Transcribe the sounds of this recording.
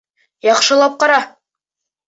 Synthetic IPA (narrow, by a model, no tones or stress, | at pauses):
jɑχʃɤ̆lˠɑp̚qɑɾɑ